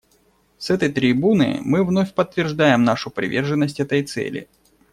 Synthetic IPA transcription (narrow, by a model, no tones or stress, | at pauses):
sɛt̪əjt̪ɾʲɪbunɨ̰jmɨvnofʲpət̪ːvʲɪrʐd̪ajɪmnaʂʊpɾʲɪ̰vʲe̞rʐɨnːəsʲtʲɛt̪əjt̪sɛ̰lʲɪ̰